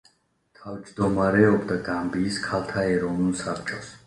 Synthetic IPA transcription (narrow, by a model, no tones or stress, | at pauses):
t̪ʰavd͡ʒd̪ɔmaɾɛɔbd̪aɡambiːskʰalt̪ʰaɛɾɔvnulˠsapʰt͡ʃʼɔs